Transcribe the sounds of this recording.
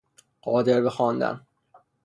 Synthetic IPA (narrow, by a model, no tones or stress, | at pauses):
ɢ̥ɒːd̪eɾbexɒːnd̪æ̰n